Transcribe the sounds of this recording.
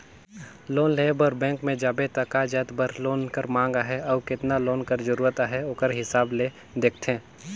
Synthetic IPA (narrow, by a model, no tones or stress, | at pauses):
loːnleːbəɾbɛ̃ːŋkmẽd͡ʒaːbet̪ɐkad͡ʒəːt̪bəɾloːnkəɾmãːŋɡaɦɛɔːkɪt̪naloːnkəɾd͡ʒəɾuːɾət̪aɦɛoːkəɾɦɪsaːble | d̪eːk̚ʰt̪ʰẽː